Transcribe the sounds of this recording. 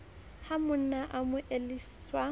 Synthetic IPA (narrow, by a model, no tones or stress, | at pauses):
hamʊn̩naʔamʊʔeliswa